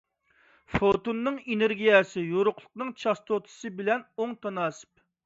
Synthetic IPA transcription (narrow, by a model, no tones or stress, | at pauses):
fot̪unːɨŋeneɾɡʲijɛsɪjoɾʊqlˠʊ̥qnɨŋt͡ʃʰɑst̪ʰot̪ʰɨ̥sɨbɪlɛnoŋt̪ʰɑnɑːsɨ̥p̚